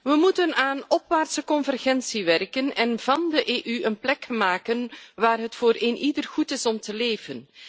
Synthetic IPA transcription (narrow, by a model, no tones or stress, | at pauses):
ʋəmutənaːnɔpʋaːrtsəkɔnvɛrɣɛnsiʋɛrkənɛnv̥ɑndəʔeːʔyənplɛkmaːkənʋaːrɦətfoːɾeːnʔidərχutɪsɔmtəleːvən